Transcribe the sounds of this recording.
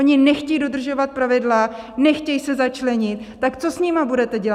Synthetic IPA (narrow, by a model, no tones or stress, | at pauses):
oɲɪnɛxcɛjdo̞d̪r̩ʒo̞vat̪̚pɾavɪdlanɛxcɛjsɛzat͡ʃlɛɲɪt̪̚t̪akt͡so̞sɲɪmabudɛt̪ɛɟɛl